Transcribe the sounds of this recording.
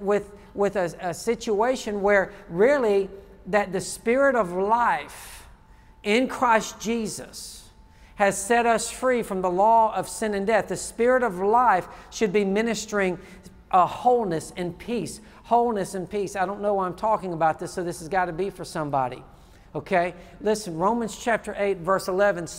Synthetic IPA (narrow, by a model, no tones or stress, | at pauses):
wɪð | wɪðɨɨsɪt͡ʃueɪʃɨ̃nwə˞ɹɪlˠi | ðɨt̪̚ðɨspɪɹɨɾʌvlaɪf | ɪ̃nkʰɹ̥aɪsd̥ʒ̥izʌs | hɨz̥sɛɾʌsfɹifɹʌ̃mðəlɔʌv̥sɪ̃nɨ̃ndɛθðɨspɪɹɨɾʌvlaɪfʃɨd̚bimɪ̃nɨstə˞ɪ̃ŋ | ʔʌhoʊlˠnɨsɨ̃npʰis | hoʊlˠnɨsɨ̃npʰisaɪɾõʊ̃nːoʊwãɪ̃mtʰɔkɪ̃ŋəbaʊt̪̚ðɪsoʊðɪsɨzɡɑɾɨbifə˞sʌ̃mbɑ̰ɾḭ | oʊkʰeɪlɪsnɹõʊ̃mɨ̃nz̥t͡ʃʰæp̚tə˞ʔeɪtvɜ˞səlɛvɨ̃n